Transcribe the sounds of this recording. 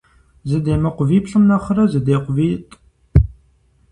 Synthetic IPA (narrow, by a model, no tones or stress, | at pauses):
zɨdeːmɐqʷʊviːpɬɨmnɐχɐɾɐzɨdeːqʷʊviːtʼ